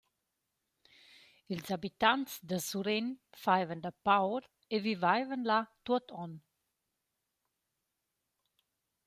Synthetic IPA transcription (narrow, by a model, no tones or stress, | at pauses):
ilzabit̪ant̪sd̪əsuɾenfajvənd̪əpawɾ | evivajvənlat̪ut̪ʰɔn